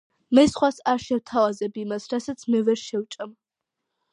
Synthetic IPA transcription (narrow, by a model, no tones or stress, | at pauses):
mɐjsχʷasaʃɛwtʰalazɛbimasrasɐt͡sʰmɨvɛʃɛwt͡ʃʼɐm